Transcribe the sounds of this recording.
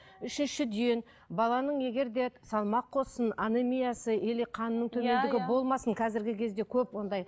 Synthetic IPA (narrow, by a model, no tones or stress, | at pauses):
ʏʃɪnʃɪd̪ejen | bɑlˠɑnəɴje̞ɡʲe̞ɾd̪e̞sɑlˠmɑqʰːo̞sənanemʲijɑsəʔeleqʰɑnənəɴt̪ʰɵme̞nd̪ɪɡʲɪbo̞lˠmɑsəɴqʰɑzɪɾɡʲɪkʲʰe̞zd̪e̞kʲʰɵpwo̞nd̪ɑj